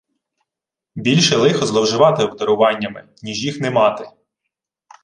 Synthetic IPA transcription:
bʲilʲʃɛlˠɪxɔzlˠɔwʒɪʋɑt̪ɪwd̪ɐɾʊʋɑnʲːɐmɪ̰ | nʲiʒjixnɛmɑt̪ɪ

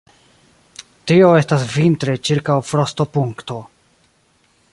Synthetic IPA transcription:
tio̞e̞stasvintɾet͡ʃiɾkawfɾo̞sto̞puŋkto̞

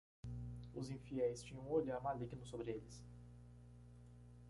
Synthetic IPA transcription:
ʊzĩfiɛjst͡ʃĩɲɐ̃w̃oʎamaliɡnʊsobɾɪelɪs

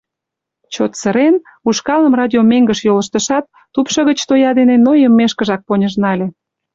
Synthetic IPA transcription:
t͡ɕot̪səɾen | uʃkɑləmrɑdʲiomeŋɡə̆ʃjoləʃt̪ə̆ʃɑt̪ːupʃə̆ɣət͡ɕt̪ojɑd̪enenojəmːeʃkə̆ʒɑk̚ponʲəʒnɑlʲe

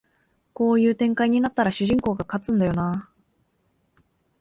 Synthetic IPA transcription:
ko̞ːjɯ̟ːt̪ẽŋkaiɲ̟inat̪ːaɾaɕɨʑĩŋko̞ːɡakat͡sɨ̃nd̪ajo̞na

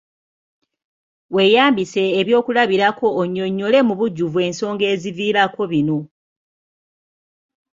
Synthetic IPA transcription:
we̞ːjaːmbise̞ːβjo̞ːkulaβiɾako̞ːɲːo̞ɲːo̞le̞muβuɟːuvue̞ːnso̞ːŋɡe̞ːziviːɾako̞βino̞

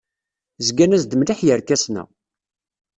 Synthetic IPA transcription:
zɡænæzd̪əmliħjəɾkæsnæ̰

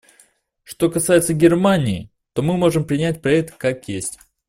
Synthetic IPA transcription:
ʂt̪o̞kɐsajɪt̪səɡʲɪrmanʲɪː | t̪o̞mɨmo̞ʐɨmpɾʲɪnʲætʲpɾɐɛk̚t̪kakjesʲtʲ

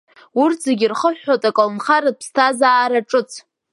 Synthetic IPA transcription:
urtʰzeɡʲirχəħᶣːotʼakʼalnχaɾɨpʰstʰazaːɾaʈ͡ʂʼɨt͡sʰ

